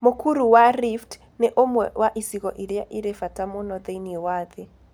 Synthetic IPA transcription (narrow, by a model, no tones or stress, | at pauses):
mokuɾuwaɾift | neʔomwɛwʔaʔisiɣɔʔiɾja̰ʔiɾefatamonɔðeiniwaðe